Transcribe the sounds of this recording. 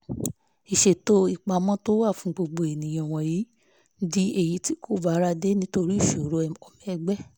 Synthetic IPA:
i˨ʃe˨to˦i˦˨k͡pa˧mɔ̃˦to˦wa˦˨fũ˨˦ɡ͡bo˧ɡ͡bo˧˨e˨nĩ˨j̃ã˧˨w̃ɔ̃˧ji˨˦ | di˦e˨ji˨˦ti˦kʰo˦˨ba˦ɾa˧de˦nĩ˦to˧ɾi˦˨ʃo˨˦ɾo˧˦ɛ˧˨ɔ˨mĩ˨ɛ˧ɡ͡bɛ˦˨

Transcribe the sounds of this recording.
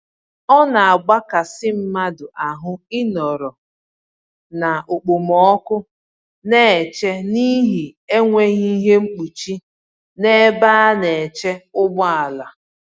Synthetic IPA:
ɔ˦na˨a˨ɡ͡ba˦ka˨sɪ˦m̩˦ma˦dʊ˨ʔa˨ɦʊ˦ɪ˦nɔ˨ɾɔ˨ | na˨ʔo˨k͡po˨mɔ˨˦kʊ˦ | ne˦˨t͡ʃe˦ni˦ɦi˨e˦ŋʷe˦ɣi˦i˦ɦe˦ŋ͡m̩˦k͡pu˨t͡ʃi˦ | ne˦ba˦a˦ne˨t͡ʃe˦ʊ˦bʊ˦a˨la˨

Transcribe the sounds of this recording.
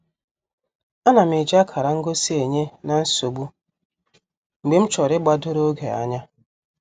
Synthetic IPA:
a˦na˨m˨ɪ˨d͡ʒa˦kʰa˨ɾa˨ŋ̩˦ɡo˦si˦e˨ɲe˦na˨n̩˦so˨ɡ͡bu˦ | ŋ͡m̩˨ɡ͡be˨m̩˦t͡ʃɔ˨ɾɪ˦ɡ͡ba˦dʊ˦ɾo˦ɡe˨a̰˨ɲa˦

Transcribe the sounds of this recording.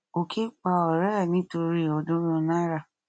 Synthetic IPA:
o˨kʰe˦k͡pa˧˨ɔ˨ɾɛ˦˨nĩ˨˦to˧ɾi˦˨ɔ˨dũ˦ɾũ˦˧nã˦ɾa˦˨

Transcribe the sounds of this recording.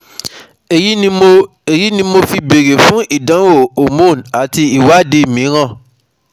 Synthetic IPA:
e˨ji˦ĩ˧o˧ | e˨ji˨˦nĩ˧mo˧fi˧be˨ɾe˨fũ˦ʔi˦˨dã˨˦wo˦˨o˨mũ˦˨na˨ti˧i˨wa˦˨de˧˦˨mĩ˨˦ɾ̃ã˦˨

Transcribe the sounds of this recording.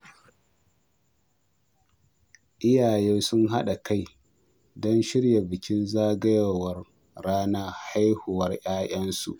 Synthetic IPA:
ʔɪ˦jaː˨jeː˦sʊ˦nɦa˦ɗa˨ka˦˨j | dɔ˦nʃɪ˦ɽja˨bɪ˨kʲɪ˦nzaː˦ɡɐ˦ja˨wɐ˦r | ɽaː˦naː˦ha˦jhʊ˨wɐ˦rʔaː˦j̰ɐ˦nsṵ˨ʔ

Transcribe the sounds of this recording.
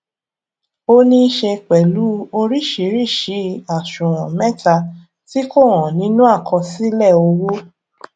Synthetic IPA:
o˧nĩ˧˦ʃe˧k͡pɛ˨lu˨˦o˧ɾi˦˨ʃi˨˦ɾi˦˨ʃi˨˦a˨ʃũ˨w̃ɔ̃˨mɛ̃˦ta˧ | ti˦ko˦˨w̃ɔ̃˨nĩ˨˦nũ˦a˦˨kʰɔ˧si˦lɛ˦˨o˧wo˦

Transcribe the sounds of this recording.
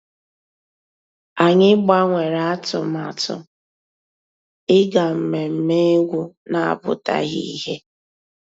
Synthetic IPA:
a˨ɲɪ˦ɡ͡ba˦ŋʷe˨ɾa˨a˦tʊ˨ma˨tʊ̰˨ | ɪ˦ɡa˨m̩˨me˨m̩˨me˦ɡʷu˦na˨a̰˦˨bʊ̰˨ta̰˦ɣḭ˦i˦ɦe˦

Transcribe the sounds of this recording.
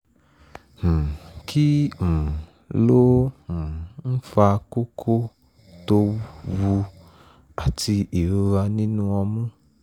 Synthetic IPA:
h̩˨kʰi˦ũ˨ | lo˦h̩˨n̩˦fa˧ko˦kʰo˦ | to˧˦wu˧ | a˨ti˧i˨ɾo˧ɾa˧nĩ˦nũ˦ɔ˧mũ˦

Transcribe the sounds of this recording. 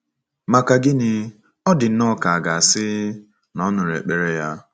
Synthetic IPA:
ma˨ka˨ɡɪ˦nɪ˨ | ɔ˦dɪ˨n̩˦nɔ˦ka˨a˨ɡa˨a˨sɪ˦ | nɔ˦nʊ˨ɾḛ˨k͡pe˨ɾe˦ja˦

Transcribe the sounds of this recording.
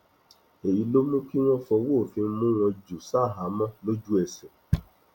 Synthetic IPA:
e˨ji˨˦lo˦mũ˦ki˦w̃ɔ̃˦fɔ˧woː˦˨fĩ˧˦mũ˦ɾ̃ɔ̃˧d͡ʒu˨sa˦˨ɦa˨˦mã˦lo˦d͡ʒu˦ɛ˧sɛ˨

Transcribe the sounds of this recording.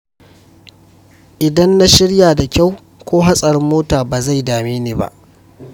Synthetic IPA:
ʔɪ˨dɐ˦nːa˦ʃɪ˦ɽjaː˨da˨kʲa˦˨w | kʷoː˦ɦa˦sʼɐ˨ɾɪ˦mːoː˦taː˨baː˨za˦˨jdaː˨meː˦neː˨ba̰˦˨ʔ

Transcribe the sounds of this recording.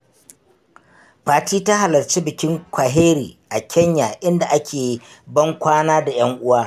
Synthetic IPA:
ɸaː˨tiː˦ta˦ɦa˨lɐ˨rt͡ʃiː˦bɪ˨kʲɪ˦ŋkʷa˨ɦeː˦ɾiː˨ʔa˨kʲʰɐ˦ɲjaː˨ʔɪ˦nda˨ʔa˦kʲʰeː˨bɐ˦ŋkʷaː˦naː˦da˨j̰ɐ˦ŋʔʊ˦waː˦

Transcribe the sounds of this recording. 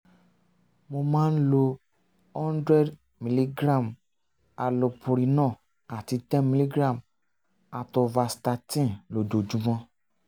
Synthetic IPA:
mo˧mãː˦n̩˦lo˧ | ɔ̃˦n˦dɾɛ˦d | mĩ˨˧li˦ɡɾã˦˨m | a˨lo˧pu˨ɾi˧nãː˦˨ | a˨ti˧tɛ̃˦mĩ˧li˦ɡɾã˦˨m | a˨tɔ˧va˧sta˧tĩ˦˨lo˨d͡ʒo˨d͡ʒũ˨˦mɔ̃˧

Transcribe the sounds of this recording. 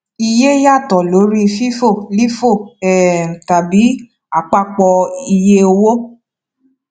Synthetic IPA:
i˧je˦ja˦˨tɔ˨lo˨˦ɾi˦˧fi˦fo˦˨li˦fo˦˨ɛ˨ta˨bi˨˦ | a˨k͡pa˦k͡pɔ˧i˧je˦o˧wo˦

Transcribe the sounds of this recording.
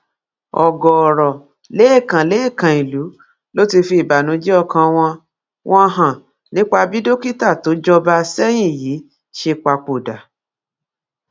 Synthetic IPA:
ɔ˨ɡɔ˨ɔ˨ɾɔ˨ | le˨˦i˦˨kã˨le˨˦i˦˨kã˨i˨lu˨˦ | lo˦ti˧fi˧i˨ba˨nũ˨˦d͡ʒi˦ɔ˧kã˧w̃ɔ̃˧ | wʔɔ̃˦˧ɦã˨ | nĩ˨˦k͡pa˧bi˦do˦ki˦ta˦˨to˨˦d͡ʒɔ˧ba˧sɛ˦j̃ĩ˦˨ji˨˦ | ʃe˧k͡pa˧k͡po˨da˨

